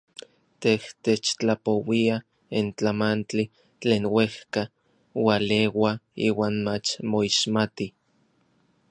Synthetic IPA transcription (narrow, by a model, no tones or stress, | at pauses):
t̪eht̪et͡ʃt͡ɬapowia | int͡ɬamant͡ɬi | t͡ɬeːnwehka | walewaiːwaːnmat͡ʃmoiʃmat̪i